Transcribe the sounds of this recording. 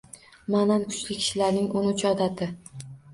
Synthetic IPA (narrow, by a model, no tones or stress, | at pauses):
manankʰʊ̥t͡ʃlɪkʲʰɪ̥ʃɪlaɾnɪŋʊnʊt͡ʃʰɒd̪at̪ʰɪ